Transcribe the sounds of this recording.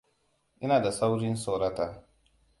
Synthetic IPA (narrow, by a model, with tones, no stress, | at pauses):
ʔɪ˦naː˨da˨sa˦wɽɪ˦nso˨ɾɐ˦taː˦